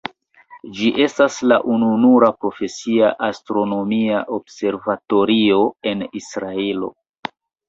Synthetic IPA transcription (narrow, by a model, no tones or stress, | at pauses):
d͡ʒiʔe̞staslaʔununuɾapɾo̞fe̞siaʔastɾo̞no̞miaʔobse̞ɾvato̞ɾio̞e̞nisɾaelo̞̰